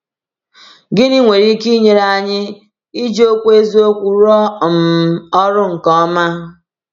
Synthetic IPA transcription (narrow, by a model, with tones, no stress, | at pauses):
ɡɪ˦ni˦ŋʷe˨ɾi˦ki˦ɲe˨ɾa˨ɲɪ˦ | i˦d͡ʒo˦kʷe˦zi˦o˦kʷu˨ɾɔ˦m̩˨ɔ˦ɾʊ˦ŋ̩˨kɔ˦ma˦